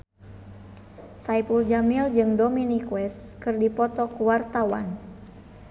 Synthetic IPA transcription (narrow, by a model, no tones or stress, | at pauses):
saipuld͡ʒamild͡ʒɨŋdominikuwɛskɨrdipɔt̪ɔkuwart̪awa̰n